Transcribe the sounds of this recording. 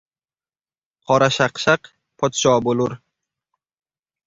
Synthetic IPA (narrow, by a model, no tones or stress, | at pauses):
qʰɒɾaʃaqʃaq | pʰɒt̪ʃɒːboluɾ